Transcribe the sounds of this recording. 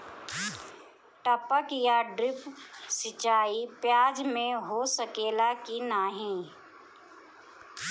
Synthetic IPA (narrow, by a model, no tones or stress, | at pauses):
ʈəpəkjaɖɾɪpsɪt͡ʃaːipjaːd͡ʒmẽɦosəkeːlakinaːɦĩ